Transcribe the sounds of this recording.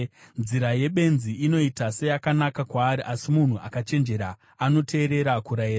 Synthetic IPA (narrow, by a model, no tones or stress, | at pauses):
nziɾaje̞ɓe̞nziino̞itase̞jakanakakwaːɾiʔasimun̤uʔa̰kat͡ʃe̞nd͡ʒe̞ɾa | ano̞tʰe̞ːɾe̞ɾakuɾaira